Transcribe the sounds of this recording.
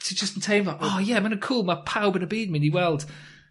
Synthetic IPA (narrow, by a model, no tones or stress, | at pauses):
tʰəd͡ʒʌstn̩tʰẽɪ̃mbəʔɔːjɛmãnəkʰuːlˠmapʰaʊbɪ̃nəbiːdⁿmɪ̃niwɛlˠd̥